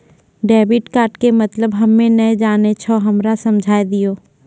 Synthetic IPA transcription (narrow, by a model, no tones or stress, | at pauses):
ɖɛːbɪʈkaːʈkemɐt̪ləbɦɐmːẽnɐjd͡ʒaːnet͡ʃʰɔɦɐmɾasɐ̃md͡ʒʱaːjd̪ijoː